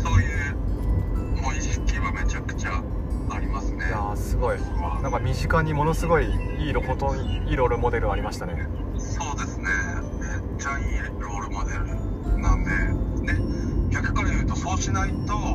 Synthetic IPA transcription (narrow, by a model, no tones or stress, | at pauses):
so̞ːjɯ̟ː | mõĩɕi̥kʲiβame̞t͡ɕakɯ̟̥t͡ɕa | aɾʲimasɨne̞asɨɡo̞i | nãŋkamʲiʑikaɲ̟imo̞no̞sɨɡo̞iiːɾo̞kot̪oɲiiɾo̞ɾɯ̟mo̞d̪e̞ɾɯ̟aɾʲimaɕi̥t̪ane̞ | so̞ːd̪e̞sɨne̞me | t͡ɕaiːɾo̞ɾɯmo̞d̪e̞ɾɯ̟nãnd̪e̞d̪e̞kʲakːɯ̥kːajɯ̟ːt̪o̞so̞ːɕinait̪o